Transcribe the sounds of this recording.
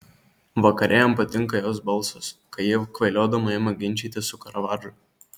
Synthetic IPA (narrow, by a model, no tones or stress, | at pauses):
ʋɐkɐɾʲʔeːjɛmpɐt̪ʲɪŋˑkɐjoːsbɐlˠˑsoskɐɪjiɛkʋɐɪlʲoːd̪ɐmɐjɛmɐɡʲɪnʲt͡ʃʲiːt̪ʲɪsʊkɐɾɐʋɑːd͡ʒʊ